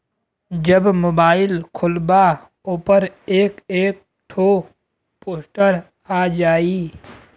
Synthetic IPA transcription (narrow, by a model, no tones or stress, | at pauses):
d͡ʒəbmoːbaːɪlkʰʊlba | oːpəɾeːkeːk̚ | ʈʰoː | poːsʈəɾ | aːd͡ʒaːiː